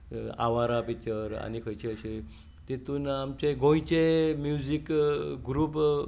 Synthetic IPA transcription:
a̰ʋaɾapit͡ɕəɾa̰nikʰəjt͡ɕeəɕe | t̪et̪uːnamt͡ɕeɡʱõĩt͡ɕemjud͡ʑikɡɾuːp

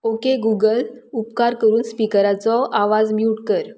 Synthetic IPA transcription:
okeɡuɡəl | upkaɾkəɾuːnspikəɾat͡sɔʔaʋad͡zmiuʈkəɾ

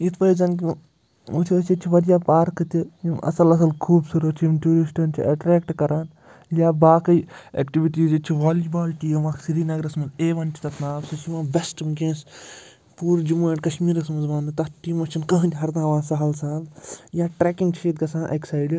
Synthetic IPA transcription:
it̪ʰʋɐizɐnk̬ʲi | ut̪ʰiɐsit͡ʃʰiʋɐd̪ijaːpaːɾkɨt̪ijimɐ̰sɐlɐs̬ɐlkʰuːbsuɾɐt͡ʃʰimʈʲuːɾisʈɐnt͡ʃʰiʔɐʈɾɛːkʈkɐɾaːn | jaːbaːkɐjḛːkʈiʋiʈiːzit͡ʃʰiʋaːlibaːlʈiɐmaːksiɾiːnɐɡɾɐsmɐzeːʋɐnt͡ʃʰi̥t̪ɐt̪naːbsɐt͡ʃiʋãːʋesʈɐmkẽːs | puːɾd͡ʒumuːeʈkɐʃmiːɾɐsmɐnzʋaːnd̪ɨt̪ɐʈiːmɐt͡ʃʰinkɐɦɨ̃ndʲɦɐɾd̪ãːʋãːsɐɦɐlsɐɦɐljaːʈɾɛːkĩŋɡt͡ʃʰiːt̪̚ɡɐsãːnʔɐ̰kʲsɐjɽi

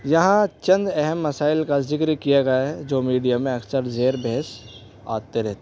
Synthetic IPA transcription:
jɐɦãt͡ʃɐ̃nd̪ɛɦɛmːɐsaːɪlkazɪkɾkijaɡɐjaɦɛd͡ʒoːmiːɖijamẽɐksəɾzeːɾbʱeːs | a̰ːt̪eɾɛɦt̪e

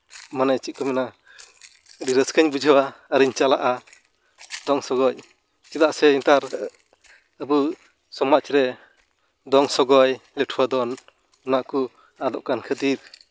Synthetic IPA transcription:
manat͡ʃit̚kʰɔmina | ɾiɾəskʰɯɲbud͡ʒawaaɾiɲt͡ʃalaʔa | d̪ɔŋsɔɡɔj | t͡ʃid̪aʔsɛint̪aɾ | abɯ | sɔmaʔt͡ʃiɾɛ | d̪ɔŋsɔɡɔjlɛtʰuwad̪ɔn | naʔku | ad̪ɔʔkankʰɯd̪iɾ

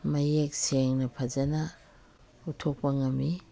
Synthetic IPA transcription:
mɐjek̚seŋnɐpʰɐzɐnɐ | utʰok̚pɐŋɐmi

